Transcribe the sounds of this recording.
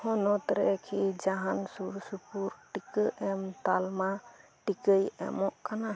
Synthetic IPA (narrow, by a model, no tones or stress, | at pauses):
hɔnɔt̪ɾɛkʰid͡ʒaɦansuɾsupuɾʈikəʔɛmt̪alma | ʈikəjɛ̰mɔʔkana